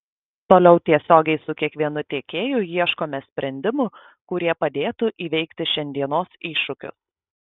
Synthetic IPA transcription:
t̪oːlʲɛʊt̪ʲiɛsʲoːɡʲɛɪsʊkʲiɛkʋʲiɛnʊt̪ʲeːkʲeːjʊjiɛʃkoːmʲɛsʲpʲɾʲɛnʲd̪ʲɪmʊ | kʊɾʲiɛpɐd̪ʲeːt̪ʊʔiːʋʲɛɪkt̪ʲɪʃʲɛnʲd̪ʲiɛnoːsiːʃʊkʲʊ̰s

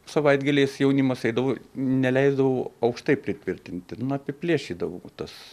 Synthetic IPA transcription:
sɐʋɐɪd̪ɡɐlʲeːsjɛʊnʲɪmɐsɐɪd̪ɐʋoːnʲɛlʲɛɪzd̪ɐʋoːɐʊkʃt̪ɐɪpʲɾʲɪt̪ʲʋʲɪrʲt̪ʲɪnʲt̪ʲɪnɐpʲɪpʲlʲiɛʃʲiːd̪ɐʋo̰ːt̪ɐs

